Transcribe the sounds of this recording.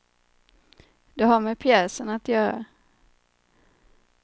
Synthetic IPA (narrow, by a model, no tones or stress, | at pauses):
d̪̥ɛɦaɾmɛpʰjɛːsənat̪jœːɾa̰